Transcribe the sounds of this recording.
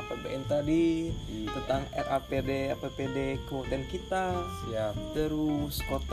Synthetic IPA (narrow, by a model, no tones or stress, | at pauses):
apabeɛnt̪adit̪ənt̪aŋɛrʔapedeapepedekəmut̪ankit̪asiap̚t̪əɾuskot̪